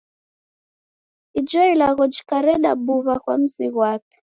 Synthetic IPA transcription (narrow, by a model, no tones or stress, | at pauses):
id͡ʒɔilaɣɔd͡ʒi̥kaɾɛɗa̰buβaɣwam̩siɣwap̚i̥